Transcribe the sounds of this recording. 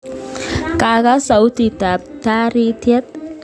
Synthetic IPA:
ka˨ɡa˦sa˨wt̪i˨t̪a˨t̪a˦ɾi˦t̪ʰjɛ˦t̪̚

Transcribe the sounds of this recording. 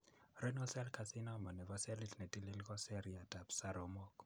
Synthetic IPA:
rɛnɔ˦sɛ˦lka˨sina˦mɔ˨nɛ˨vɔ˦sɛ˦li˦tnɛ˨ti˦li˦lkɔ˦sɛ˦ɾia˨ta˨psa˦ɾɔ˨mɔ˦k

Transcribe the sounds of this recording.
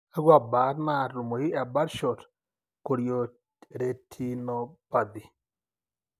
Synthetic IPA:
a˦ɡwa˨ba˨˦tma˦˨ɾu˨mo˨ji˦a˨ba˦ɾʃo˨t | ko˨ɾjo˨ | ɾe˨tʰi˦nɔ˨pa˨d̪i˨

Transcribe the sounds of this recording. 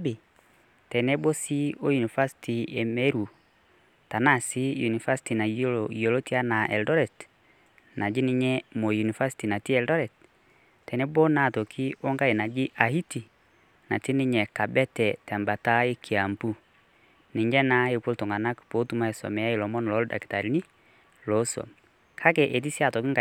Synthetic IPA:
bi˨ | tɛ˨nɛ˦bo˦si˦o˦ju˨ni˨fa˦sti˨e˨mɛ˦ɾu˨ | ta˨na˦˨si˦ju˨ni˨fa˦si̥ti˨na˨jjo˨lo˦ti˦a˦na˨ʔɛ̰˨ldɔ˦ɾɛ˨t | na˨d͡ʒi˦ni˦ɲɛ˦mo˨ju˨ni˨fa˦si̥˦ti˨na˨ti˦ɛ˨ldɔ˦ɾɛ˨t | tɛ˨nɛ˦bo˦na˨to˨kʰi˦o˦ŋɡa˦e˨na˨ɡɪ˦ʔa˨hi˦ti˨ | na̰˨ti˦nɪ˦ɲɛ˨ka˨bɛ˦tɛ˨tɛ˨mba˨ta˦e˦kʰi˨a˨mbu˦ | nɪ˨ɲd͡ʒɛ˦na˦e˨ko˦ltɔ˨ŋɡa˨na˦kpo˨˦tu˦ma˦e˨sɔ̰˨mɛ˨ja˦i˨lɔ˨mɔ˦n˨lɔ˨˦lda̰˨ki̥˨ta˨ɾi˦ni˦ | lo˨˦sɔ̰˨m | kʰa˦kɛ˨ʔe˨t̬i˦sja˦˨tɔ˨kɪ˦ŋɡa˨

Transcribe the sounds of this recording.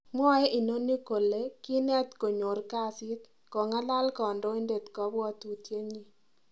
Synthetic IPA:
m˦ɔ˦e˦ʔi˨no˦ni˦ko˨le˦kɪ˦nɛ˦t̪ko˨ɲo˨rka˦sɪ˦t̪ | kɔ˨ŋa˦la˦lkɔ˨ndɔ˦e˦nde˨t̪kɔ˦bwɔ˦t̪u˨tje˦ɲi˨

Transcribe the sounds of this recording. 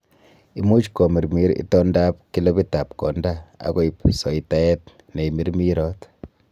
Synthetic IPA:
i˦mu˦t͡ʃkɔ˨mi˨ɾmi˦ɾḭ˦tɔ˦nda˦p̚ki˦lo˦bi˦ta˨p̚kɔ̰˨ndaa̰˨ko˦i˨psɔ˨ita˦ɛ˦t | ne˨mi˦ɾmi˦ɾɔ˦t

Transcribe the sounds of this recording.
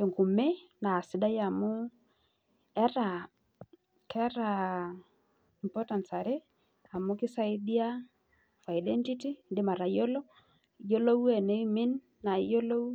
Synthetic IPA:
e˨ŋku˨me˦ | na˨sɪ˨da˦ja˨mʊ˦ | ɛ˦ɾa˨ | kʰɛ˦ɾa˨ | i˨mpɔ˦ta˨nsa˨ɾe˦ | a˨mʊ˦kɪ˦sa˦ɪ˦di˦a˦ | fa˨jdɛ˦nti˦ti˦dɪ˦ma˨ɾa˨jo˦lo˦ | jo˦lo˦wɛ˨ne˦mɪ˦nː | a˨jo˦lo˦

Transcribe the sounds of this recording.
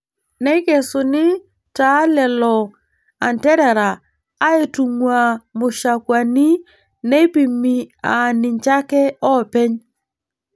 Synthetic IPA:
nɛ˦ke˨sʊ˨nɪ˦ | ta˨˦lɛ˨lɔ˨ | a˨ntɛ˦ɾɛ˨ɾaː˨˦ | e˦tu˨ŋwa˨mʊ˨ʃa˨kwa˨ni˦ | ne˦pi˨mːi˨a˨nɪ˨ɲt͡ʃa˦kɛ˦ɔ˦˨pe˦ɲ

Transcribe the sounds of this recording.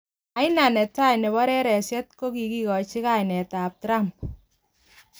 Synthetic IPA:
a˨˦jna˨nɛ˨ta˦jnɛ˨βɔ˦ɾɛ˦ɾɛ˨sjɛ˦t̚ko˦ki˨ki˦kɔ˨t͡ʃɪ˦ka˦˨jnɛ˨ta˨p̚tɾa˦mp̚

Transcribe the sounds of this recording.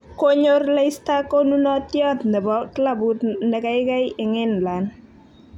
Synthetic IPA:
ko˦ɲo˦rle˦jst̪a˦ko˦nu˦nɔ˦tjɔ˦t̪nɛ˨bɔ˦kla˦bu˦t̪nɛ˨ka˦jka˦jɪ˨ŋɪ˦nla˨n

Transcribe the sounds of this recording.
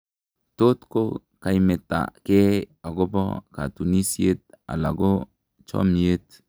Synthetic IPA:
to˦tko˦ | ka˨ime˨tːa̰˨ke˦a˨ɡo˦bɔ̰˦ka̰˨tu˨ni˦sie˦t̚a̰˨la˨ɡo˦ | t͡ʃo̰˦mi˨e˦t̚

